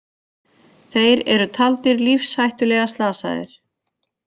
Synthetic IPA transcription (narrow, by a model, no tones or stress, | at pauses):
θejɾɛɾʏt̪ʰalt̪ɪɾlifshajht̪ʏlɛɣast̪laːsa̰ðɪ̰ɾ̥